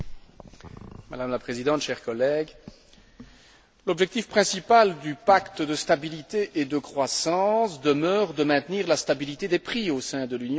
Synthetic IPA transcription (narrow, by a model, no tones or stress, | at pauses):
ma̰d̪amlapχezid̪ɑ̃t̪ʃɛʁkɔlɛɡ | lɔbʒɛk̚t̪ifpχɛ̃sipald̪ypakt̪əd̪əst̪abilit̪eʔed̪əkχwasɑ̃sd̪əmœːʁd̪əmɛ̃t̪niʁlast̪abilit̪ed̪epχiosɛ̃d̪əlynj̃